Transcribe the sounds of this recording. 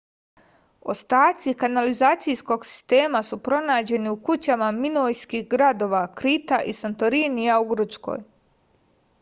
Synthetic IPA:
o̞̰st̪aːt̪sikanalizaːt̪sijsko̞ɡsi̥st̪e̞ːmasupɾo̞naːd͡ʑe̞niukut͡ɕamaminojskixɡɾad̪o̞ʋakɾit̪aʔisant̪oɾinijauɡr̩t͡ʃko̞̰j

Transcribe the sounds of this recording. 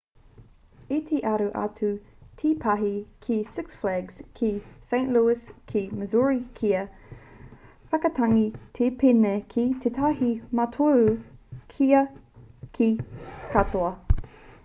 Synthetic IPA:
it̪ʰeʔɐɾuʔɐ̰tʰu | tʰipʰɐɦikʰisɪksflɛɡz̥kʰisẽɪ̃nʔluɪskʰiməzuɹikʰiɐ | fɐkɐtʰɐŋit̪ʰepʰenekʰit̪ʰetʰaɦimɐtʰo | kʰiɐkʰikʰatoɐ

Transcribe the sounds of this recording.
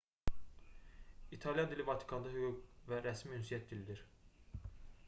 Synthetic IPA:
it̪ʰɑlˠijɑd̪ilivɑt̪ʰi̥kʰɑnd̪ɑɦyɡuɡvæɾæsmiynsijæt̪̚d̪ilid̪iɾ

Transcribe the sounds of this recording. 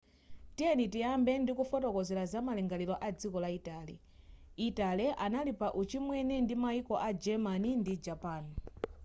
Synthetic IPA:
tijɛnitiambɛndikufɔtɔkɔzɛlazamalɛŋɡalilɔʔad͡zikɔlaitaːlḭ | italɛʔanalipaʔut͡ʃʰimwɛnɛndimaikɔʔad͡ʒɛmanindid͡ʒapaːn

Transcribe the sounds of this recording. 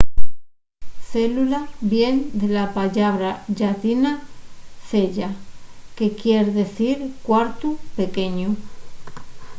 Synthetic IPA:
θe̞lulabje̞nd̪elapaʎaβɾaʎat̪inaθe̞ʎake̞kjeɾðe̞θiɾkwaɾt̪upe̞ke̞ɲu

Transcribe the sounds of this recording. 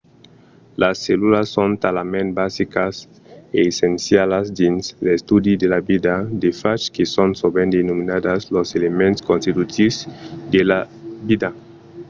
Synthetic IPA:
lasːelulasːõnt̪alamẽnt̪̚basikas | eːsensjalazd̪inslest̪ud̪id̪elabid̪ad̪efat͡ʃkesonsobend̪enominad̪asloselemẽnt̪skõnst̪it̪ut̪isd̪ela | bid̪a

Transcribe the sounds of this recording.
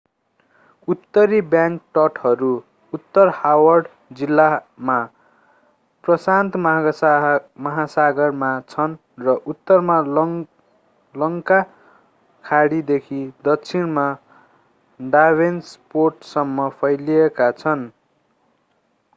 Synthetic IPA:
ut̪ːʌɾibjãŋk̚ʈʌʈʰʌɾu | ut̪ːʌrhawʌrɖ | d͡zilːama | prʌsant̪m | mʌɦasaɡʌrmat͡sʰʌn | rʌʔut̪ːʌrma | lʌŋka | kʰaɽid̪ekʰid̪ʌkt͡sʰinma | ɖawensporʈsʌmːʌpʰʌjliekat͡sʰʌn

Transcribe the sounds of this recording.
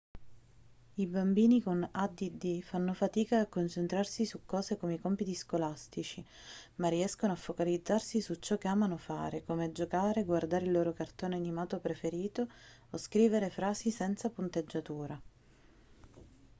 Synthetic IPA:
ibambiːnikonad̪id̪ifanːofat̪iːkaːkːont͡ʃent̪ɾarsisukːɔːzekomeikɔmpit̪iskolast̪it͡ʃi | mariɛskonoafːokalid̪zːarsisut͡ʃːɔkːeaːmanofa̰ːɾekomead͡ʒokaːɾeɡward̪aːɾeilːoːɾokart̪oːneanimaːt̪opɾefeɾiːt̪oː | skɾiːveɾefɾaːsisɛnt̪sapunt̪ed͡ʒːat̪uːɾa

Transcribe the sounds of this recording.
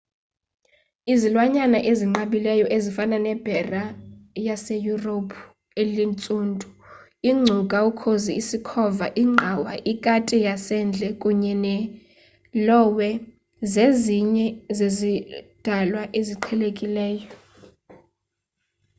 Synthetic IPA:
izilwaɲanaʔeziŋ͡ǃaɓilɛjɔʔezifananɛb̥ʱɛrajasejuropʰu | elint͡sʼuːntʼu̥ | iŋ͡ǀʱukʼaukʰoziisikʰɔvaʔiŋ͡ǃʱawaʔikʼatʼijasɛnd͡ɮʱɛkʼuɲɛnɛ | lɔwɛ | zeziɲɛzezid̥ʱalwaʔeziǃʰɛlekʼilɛːjɔ

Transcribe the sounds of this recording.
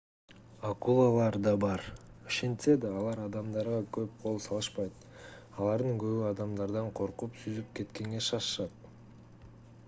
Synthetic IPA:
akulˠalˠɑɾd̪ɑbɑɾ | oʃe̞nt̪se̞d̪ɑːlˠɑɾɑd̪ɑmd̪ɑɾʁɑkøp̚qʰo̞lˠsɑlˠɯʃpɑjt̪̚ | ɑlˠɑɾd̪ɯŋɡø̞βyɑd̪ɑmd̪ɑɾd̪ɑɴqʰo̞ɾqupsyzypke̞t̪ke̞ŋɡe̞ʃɑʃʃɑt̪̚

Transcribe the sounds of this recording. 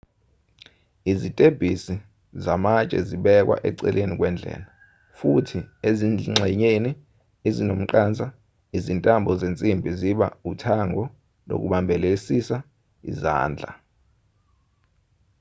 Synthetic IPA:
izitʼeb̥ʱisi | zamat͡ʃʼɛ̰ziɓɛk̬wa̰ʔɛ̰ǀɛ̰lʔenik̬wɛnd͡ɮʱɛ̰ːla | futʰieziŋ͡ǀɛɲeni | ezinom̩ǃaːnt͡sʼa | izintʼambʱɔzent͡sʼimbʱiziɓa̰utʰaŋɔ | lo̰k̬uɓambʱɛlesisa | ḭza̰ːnd͡ɮʱa̰

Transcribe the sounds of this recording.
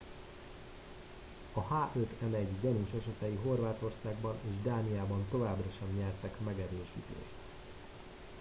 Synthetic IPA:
ɒhaːʔøt̪ʰɛnɛɟdɛnuʃɛʃɛt̪ɛjiɦo̞rvaːt̪o̞rsaːɡbɒneːʒd̪aːnijaːbɒnt̪o̞vaːbrɒʃɛmɲɛrt̪ɛkmɛɡɛɾøːʃḭːt̪ḛːʃt̪

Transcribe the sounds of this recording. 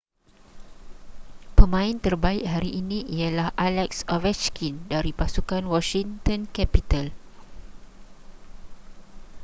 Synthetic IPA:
pəmãĩnt̪ərbaiʔ̚ɦaɾiʔinĩʔialahʔalɛksɔvɛt͡ʃkʰindaɾipasukanwɔʃiŋt̪ɔ̃nkɛpit̪al

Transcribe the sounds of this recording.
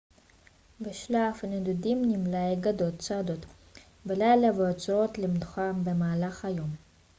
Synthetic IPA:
beʃlafaned̪ud̪imnimlaeɡad̪ot̪t͡sad̪ot̪ | belajlaveot͡sɾot̪lemd̪uχambemaːlaχajo̞m

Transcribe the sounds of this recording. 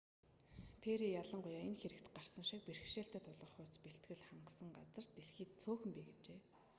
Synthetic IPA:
pʰeɾijaɮə̆ɴɢʊjaːenxeɾɘ̆kt̪ɢar̥sə̆mʃik̚perxʃeːɬt̪eːt̪ʰʊɮʁə̆χʊːt͡speɬt̪ɡɘ̆ɮχaɴɢə̆sə̆ŋɢat͡sə̆rt̪eɮxiːt̪̚t͡sʰoːxɵ̆mpiːɡet͡ɕeː

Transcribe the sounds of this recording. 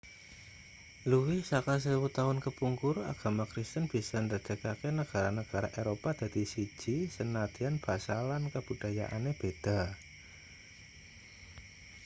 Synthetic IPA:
luwɪhsakas̬əiwut̪aɦʊnkəpuŋkʊra̰ɡ̥a̤makɾist̪ənb̥i̤sand̪ərd̪əkakenəɡ̥a̤ɾanəɡ̥a̤ɾaʔeɾopad̪̥ä̤d̪̥isi̥d͡ʒ̥isənad̪̥ianb̥asalankəb̥ṳd̥aja̰ʔa̰neb̥ed̪̥a̤

